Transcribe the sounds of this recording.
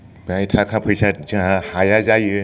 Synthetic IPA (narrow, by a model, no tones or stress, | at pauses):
bajtʰakʰapʰɯjsazɯɦahajazajɯ